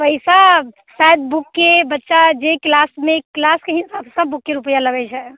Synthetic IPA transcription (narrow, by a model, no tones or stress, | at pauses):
pəjsa | saəd̪̚bukːebətːʃad͡ʒeklasmeklaskeɦisabsəbːukːeɾupəjaləɡɛt͡ʃʰɛ